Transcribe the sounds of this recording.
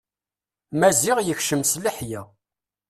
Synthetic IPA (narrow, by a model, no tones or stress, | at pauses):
mæziʁjəçʃəmsləħjæ